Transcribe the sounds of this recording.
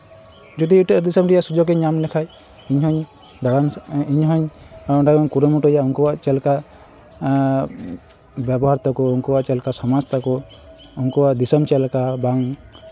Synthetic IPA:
d͡ʒɔd̪iːʈɔd̪isɔmɖijasud͡ʒɔɡɛɲamlɛkʰaj | iɲɦɔɲ | d̪aɽaniɲɦɔɲ | ɔʈaɡɔkuɾɔmuʈɔjauŋkɔwaʔt͡ʃɛlka | bjɛbɔɦaɾt̪ɔkɔuŋkɔwaʔt͡ʃɛlkasɔmad͡ʒt̪ɔkɔ | uŋkɔwaʔd̪isɔmt͡ʃɛlkabaŋ

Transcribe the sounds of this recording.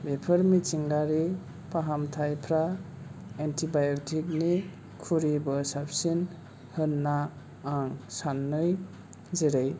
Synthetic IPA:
bepʰɯɾmit͡ʃiŋɡaɾi | paɦamtʰajpʰɾa | entʰibajɔktʰik̚ni | kʰuɾibɯsap̚sin | hɯnːaː | ŋsanːɯj | zeɾej

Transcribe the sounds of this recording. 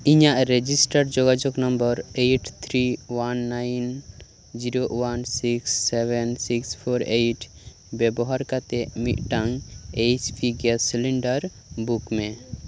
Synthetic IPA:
iɲaʔɾed͡ʒisʈəɾd͡ʒoɡad͡ʒuknəmbəɾejʈʰt̪ʰɾiwanːajn | d͡ʒiɾowansiksːɛbɛnsikspʰoɾejʈ | bɛbɔɦaɾkat̪emiʔʈaŋet͡ʃpʰiɡɛsiliɳɖəɾ | bukmẽ

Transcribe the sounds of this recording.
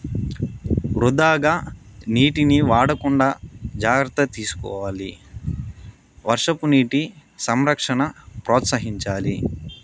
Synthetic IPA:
ɾud̪aːɡaːniːʈiniʋaːɽɐkuɳɖaːd͡ʒaːɡɾɐt̪ɐt̪iːsu̥kɔ̰ːʋaːli | ʋɐɾʂɐpuniːʈisɐmɾɐkʂɐɳɐpɾɔːt̪sɐɦiɲt͡ʃaːli

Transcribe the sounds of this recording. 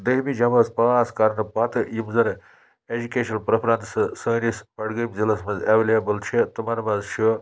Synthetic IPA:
d̪əɦmid͡ʒɐmɐspaːskɐɾɐnpɐt̪ɨjimzɐn | ed͡ʒukeːʃɐnpɾɐpʰɾɐ̃nt̪ssəːnispɐɽɡəjmzilɐsmɐzeʋlebɐlt͡ʃʰit̪umɐɾmɐzt͡ʃʰi

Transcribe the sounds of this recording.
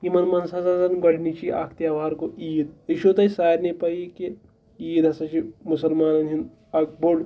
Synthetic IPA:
kimɐnmɐnsɐzazɐnɡɐlnit͡ʃiʔa̰ːkʰt̪jaːʋaːɾkoiːd̪iʃot̪ɐisaːɾnepɐike | iːd̪ɐsɐt͡ʃimʊsɐlmaːnɐnɦin | ɐk̚boɽ

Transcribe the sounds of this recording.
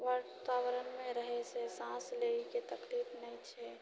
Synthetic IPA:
ʋaɾt̪aːwəɾənmẽɾəɦesesãːsleiket̪əkliːfnəɦĩt͡ʃʰɛ

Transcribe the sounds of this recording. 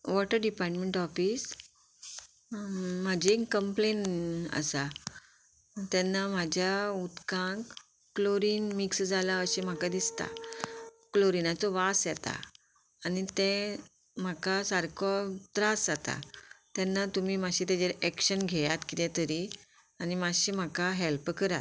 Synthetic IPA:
ʋɔʈəɾɖipaɾʈmeɳʈɔfiːs | mad͡ʑekəmplenə̰sa | t̪ɛnːam̤ad͡ʑʱjaut̪kãŋkː | loɾiːnmiksd͡zʱalaəɕem̤akad̪ist̪a̰ | kloɾinat͡sɔʋasjɛt̪a̰ː | nit̪ɛ̃ | m̤akasaɾkʰɔt̪ɾasd͡zat̪a̰t̪jɛnːat̪umiːmaɕit̪ɛ̃d͡ʑeɾɛkɕənɡʱɛjat̪kit̪ɛt̪əɾi | animaɕim̤akaɦelpkəɾat̪

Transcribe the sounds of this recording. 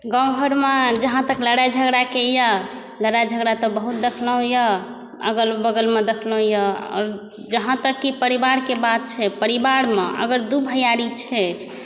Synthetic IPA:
ɡə̃ɡʱəɾmed͡ʒəɦãt̪əkləɽad͡ʒʱəɡɾakejə | ləɽajd͡ʒʱəɡɾat̪ɔbəɦut̪̚d̪ekʰlə̃jə | əɡəlbəɡəlmed̪ekʰlɔɦjəɔ̰ɾ | d͡ʒəɦãt̪əkːipəɾibaɾkebad̪̚t͡ʃʰɛpəɾibaɾmeʔə̰ɡəɾd̪ubʱəjaɾit͡ʃʰɛ

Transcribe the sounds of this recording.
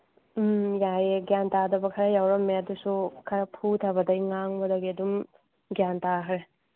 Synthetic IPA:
jajeɡjantadɐbɐkʰɐɾɐjawɾɐmːeɐdusukʰɐɾɐpʰutʰɐbɐdɐjŋaŋbɐdɐɡiɐdum | ɡjantakʰɾe

